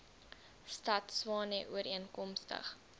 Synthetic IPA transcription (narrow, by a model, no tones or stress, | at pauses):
stɐtswɑːneʔuəɾiənkɔmstə̰χ